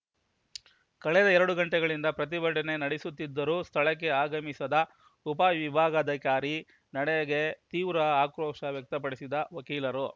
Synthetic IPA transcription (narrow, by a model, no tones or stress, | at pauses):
kɐɭɛd̪ɐɛɾɐɽuɡɐɳʈɛɡɐɭind̪ɐpɾɐt̪̬ibɐɖɐne̞nɐɽisut̪ːid̪ːɐɾust̪ʰɐɭɐk̬ːe̞aːɡɐmisɐd̪ɐ | upaːjʋibʱaːɡɐd̪ʱɐkaːɾi | nɐɽɛjɐɡe̞t̪iːʋɾɐaːkɾɔːʂɐʋjɐk̚t̪ɐp̬ɐɽisid̪ɐʋɐkiːlɐɾu